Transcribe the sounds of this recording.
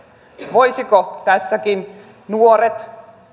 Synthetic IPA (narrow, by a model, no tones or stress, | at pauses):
ʋojsikot̪æsːækin | nuoɾet̪